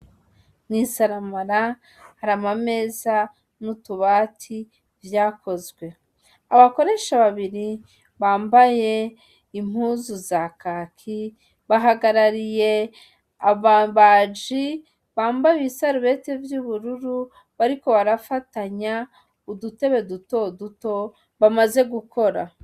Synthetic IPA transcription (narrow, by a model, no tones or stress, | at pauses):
nisaɾamaɾa | haɾamame̞ːza | nutuβatʰi | vjaːko̞zɡwe̞ | aβako̞ɾe̞ʃaβaβiɾi | βaːmbaje̞ | im̥huːzuzakaːkʰi | βaɦaɡaɾaɾije̞ | aβad͡ʒi | βaːmbajisaɾuβe̞te̞vjuβuɾuɾu | βaɾiko̞βaɾafataɲa | udute̞βe̞duto̞duto̞ | βamaze̞ɡukʰo̞ɾa